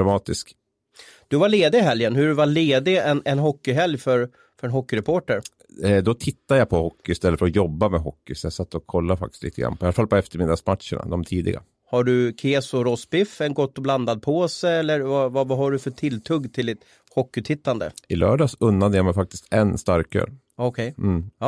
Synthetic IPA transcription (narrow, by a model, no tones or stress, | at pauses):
ɾamɑːt̪ɪsk | d̪̥ɵvaɭeːd̪ɪɪɦɛljənhɵɖɵvaɭeːd̪ɪɛnʔɛnɦɔkːʏɦɛljfœɾ | fœɾɛnɦɔkːʏɾɛpʰoːʈəɾ | d̪ɔt̪ʰɪt̪ːad̪japʰɔhɔkːɪɪst̪ɛlːəfəɾɔjɔbːamɛɦɔkːɪsɔjasat̪ːɔkʰɔlːafa̰k̚t̪ɪ̥t̪iːt̪əɡɾa̰nːpʰɔɪalafalpɔɛft̪əɾmɪd̪ːasmat̪ʂə̰ɳa̰d̪ɔmt̪ʰiːd̪ɪ̰ɡa̰ | haɖɵkʰeːsɔɾɔsbɪfɛnɡɔt̪ːɔbland̪ad̪̚pʰoːsəɛlːəɾvavavaɦaɖɵfœʈʰɪlːt̪ʰɵɡt̪ʰɪld̪ɪt̪ | hɔkːɪt̪ʰɪt̪ːand̪ə̰ɪlœ̰ːɖɑːsɵnːad̪əjamɛjfak̚t̪ɪ̥st̪ɛnst̪aɾkʰːø̰ːɾ | ɔkʰɛj̩ɑː